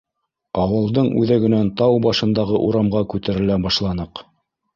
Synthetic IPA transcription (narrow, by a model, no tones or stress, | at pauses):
ɑwɤ̆lˠd̪ɤɴʉ̰ðæɡɵ̆nænt̪ɑwbɑʃɤ̆nd̪ɑʁɤʔuɾɑmʁɑkʉt̪æɾɘ̆læbɑʃlˠɑnɤq